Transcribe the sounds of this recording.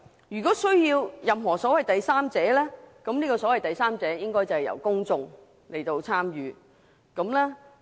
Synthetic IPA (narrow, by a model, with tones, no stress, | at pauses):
jyː˨kɔː˨˥sɵ˥ɥjiː˧wjɐ˨mɦɔː˨˩sɔː˨˥wɐ˨jt̪ɐ˨jsaː˥mt͡sɛː˨˥lɛː˥kɐ˨˥mniː˥kɔː˧sɔː˨˥wɐ˨jt̪ɐ˨jsaː˥mt͡sɛː˨˥jɪ˥ŋkɔː˥jt͡sɐ˨whɐ˨jɐ̰˨˩wkʊ˥ŋt͡sʊ˨˧ŋ | le˨˩jt̪o˧wt͡sʰaː˥mjyː˨˧ | kɐ˨˥mlɛː˥